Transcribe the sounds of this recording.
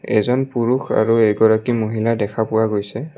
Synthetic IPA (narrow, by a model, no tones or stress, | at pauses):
ɛ̰zɔnpuɹuxa̰ɹuɛɡɔɹakimoɦiladɛkʰapʊwaɡojsɛ